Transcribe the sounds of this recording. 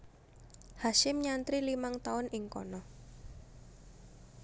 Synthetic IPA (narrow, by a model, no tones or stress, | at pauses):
haʃɪmɲant̪ɾilimaŋt̪aʊnɪŋkɔ̰nɔ